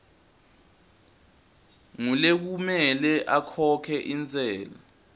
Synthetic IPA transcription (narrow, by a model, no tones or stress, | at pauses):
ŋulek̬umɛlɛʔakʰɔkʰɛʔint͡sʼɛːla